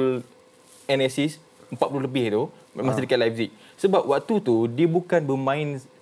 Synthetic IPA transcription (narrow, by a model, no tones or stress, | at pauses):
l | ɛnɛsis | əmpat̪̚pululəbɪht̪u | mãsidəkat̪lajfzik̚ | səbap̚wak̚t̪ut̪udiəbukanbəmãĩn